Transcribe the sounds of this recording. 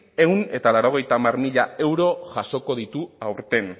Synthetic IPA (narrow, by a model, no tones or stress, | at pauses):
e̞une̞t̪alaɾo̞ɣ̞e̞jt̪aːmaɾmiʎae̞wɾo̞ʝaso̞ko̞ðit̪uawɾt̪e̞n